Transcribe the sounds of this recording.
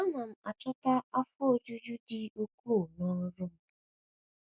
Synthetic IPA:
ɔ˦na˨m̩˦a˨t͡ʃɔ˦ta˦a˦fʊ˦o˦d͡ʒu˦d͡ʒu˦dɪ˨o˦kʷu˦o˨nɔ˦ɾʊ˦ɾʊ˦m̩˦

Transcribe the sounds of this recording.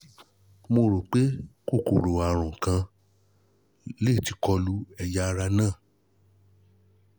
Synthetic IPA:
mo˧ɾo˨k͡pe˦ko˦˨ko˨ɾo˨a˨ɾ̃ɔ̃˨kã˧ | le˦˨ti˨˧kɔ˧lu˦ɛ˧ja˦˧ɾa˧nãː˦˨

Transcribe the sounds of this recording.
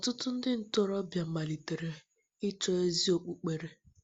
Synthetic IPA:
ɔ˨tʊ˦tʊ˦n̩˦dɪ˦n̩˦˨tɔ˦˨ɾɔ˦bja˨m̩˦ma˨li˨te˨ɾe˨ | ɪ˦t͡ʃɔ˦e˦zi˦o˨k͡pu˦k͡pe˨ɾe˨

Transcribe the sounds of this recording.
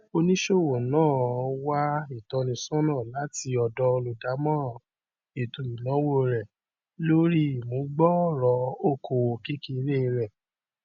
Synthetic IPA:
o˧nĩ˦ʃo˦˨wo˨nãː˦˨˧wa˦i˦˨tɔ˧nĩ˧sɔ̃˦nãː˦˨la˨˦ti˧˦ɔ˧dɔ˧lu˨da˨˦mɔ̃˦ɾɔ̃˨ | e˨tũ˨i˨nɔ̃˨˦wo˦ɾɛ˨ | lo˦ɾi˦i˦˨mũ˨˦ɡ͡bɔ˦˨ɾɔ˧˦o˦˨kʰo˨wo˨ki˦ki˦˧ɾe˦ĩ˧ɾɛ˦˨

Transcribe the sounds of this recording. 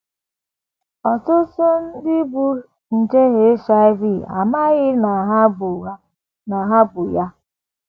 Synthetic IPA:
ɔ˨tʊ˦so˦n̩˦dɪ˦bu˨ | n̩˨d͡ʒe˦ɣe˨˦ʃa˦ɪ˦vi˦˨a̰˨ma˦ɣɪ˦na˨ɦa˦bu˨a˦ | na˨ɦa˦bʊ˨ja˦

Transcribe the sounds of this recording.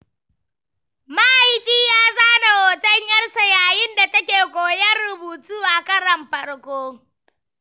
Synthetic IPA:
ma˦ʔa˦˨jɸiː˦jaː˦zaː˦na˨woː˨tɐ˦ɲjɐ˦rsɐ˨jaː˨jɪ˦nda˨tɐ˦kʲeː˨kʷʼoː˨jɐ˦rːʊ˨buː˨tuː˦ʔa˨kɐ˦ɾɐ˨mɸɐ˨rkʷoː˦

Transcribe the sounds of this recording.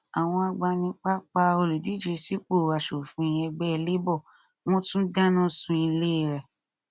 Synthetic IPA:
a˨w̃ɔ̃˧a˧ɡ͡ba˧nĩ˧k͡pa˦k͡pa˧o˧lu˨di˨˦d͡ʒe˨˧si˦k͡po˦˨wa˨ʃo˨fũ˨˦i˧ɛ˧ɡ͡bɛ˦i˧le˦bɔ˦˨ | w̃ɔ̃˦tũ˦da˦nɔ̃˦sũ˧˦i˧le˦˨ɾɛ˨

